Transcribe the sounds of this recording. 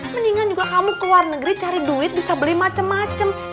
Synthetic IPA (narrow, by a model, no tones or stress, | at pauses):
məniŋand͡ʒuɡaɦamʊkəluarnəɡəɾit͡ʃaɾiduɪt̪̚bisabəlimat͡ʃəmːat͡ʃəm